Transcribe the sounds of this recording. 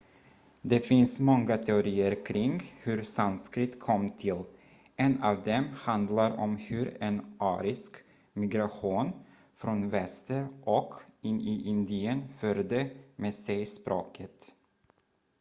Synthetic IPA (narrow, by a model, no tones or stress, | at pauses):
d̪ɛfɪnsmɔŋːat̪ʰɛʊɾiːəɾkʰɾɪŋhɵɾsand̪skɾɪt̪ːkʰɔmːt̪ʰɪl | ʔɛnɑvd̪ɛmhand̪laɾɔ̰mhɵɾɛnʔɑːɾɪsk | mɪɡɾaɧuːn | fɾɔnvɛst̪əɾʔɔkɪnʔɪʔɪnd̪ɪənfœɾd̪əmeːsɛjspɾoːkʰət̪